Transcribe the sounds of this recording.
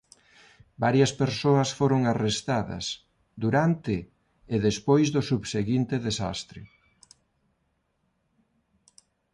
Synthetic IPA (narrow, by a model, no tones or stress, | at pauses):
baɾjɐspeɾsoɐsfoɾoŋarest̪aðɐ̰s | d̪uɾant̪ɪː | ðespojzðʊsuβseɣint̪ɪðesa̰st̪ɾɪ̰